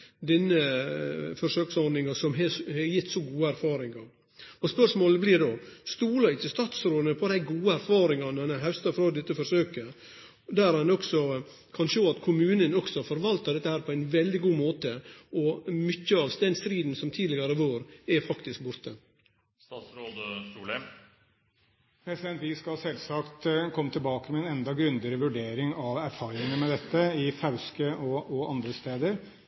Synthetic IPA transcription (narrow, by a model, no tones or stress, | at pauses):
d̪ɛnːə | fɔɾʂøːksɔɾd̪ɪŋɑsɔmɦɛhɛjɪt̪ːsɔɡuːəæɾfɑːɾɪŋɑ | ɔspœʂmoːləblɪɾd̪oːst̪uːlɑɪt̪ʰɪst̪ɑːt̪sɾoːd̪ənəpʰɔd̪æɪɡuːəæɾfɑːɾɪŋɑnɑnɛɦæʉst̪ɑfɾɑːd̪ɛt̪ːəfɔɾʂøːkə | d̪æɾhɑnɔksɔ | kʰɑnʂoːɑt̪kʰʊmʉːnənɔksɔfɔɾʋɑlt̪ɑd̪ɛt̪ːəhæːɾpʰɔæɪnʋɛld̪ɪɡuːmoːt̪əɔmʏçːəɑʋst̪ɛnst̪ɾiːd̪n̩sɔmt̪ʰiːd̪lɪɡɑɾəʋoːɾɛfɑkt̪ɪsk̚bʊɾt̪ə | st̪ɑːt̪sɾoːd̪tuːlə | pʰɾɛsɪd̪ɛnt̪ʋɪːskɑɑsɛlsɑkt̪kʰɔmːət̪ʰɪlbɑːkəmɛɛnɛnd̪ɑɡɾʉnd̪əɾəʋʉɖeːɾɪŋɑʋæɾfɑːɾɪŋənmɛd̪ɛt̪ːəɪfɑʉskəɔʔɔɑnd̪ɾəst̪eːd̪əɾ